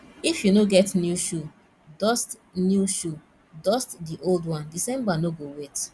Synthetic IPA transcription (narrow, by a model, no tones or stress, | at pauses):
ifjunoɡɛtnjuʃu | dɔst | njuʃu | dɔstdiʔoldwɔ̃ndisɛ̃mbanoɡowet